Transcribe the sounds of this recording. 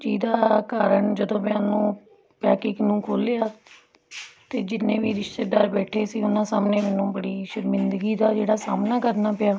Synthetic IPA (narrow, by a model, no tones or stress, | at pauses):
d͡ʒiːd̪aːkaːɾəɳd͡ʒəd̪õːmẽaːnũː | pɛːkɪknũːkʰoːleaː | t̪eːd͡ʒɪnːẽːʋiːɾɪʃt̪eːɖəɾbɛːʈʰeːsĩːʊnãːsaːmneːmɛːnũːbəɽiːʃəɾmɪnd̪ɡiːd̪aːd͡ʒeːɽaːsaːmnaːkəɾnaːpɪjaː